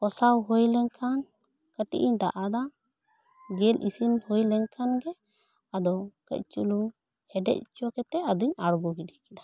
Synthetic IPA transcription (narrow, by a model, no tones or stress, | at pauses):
pɔsawɦojlɛɲkʰan | kəʈḭʔiɲd̪a̰ʔad̪a | d͡ʒɛlʔisinhojlɛɲkʰanɡɛ | ad̪ɔkə̰c̚t͡ʃuluŋ | hɛɖɛ̰c̚t͡ʃɔkɛt̪ɛad̪ɔɲaɽɡɔɡiɖikɛd̪a